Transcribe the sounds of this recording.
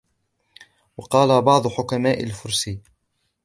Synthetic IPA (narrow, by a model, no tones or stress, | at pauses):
wɑqɑːlabɑʕd̪ˤʊħʊkamaːʔalfʊɾsi